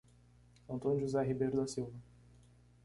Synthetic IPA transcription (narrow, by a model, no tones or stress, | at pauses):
ɐ̃nt̪õnʊʒuzɛɦibejɾd̪ɐsiwvɐ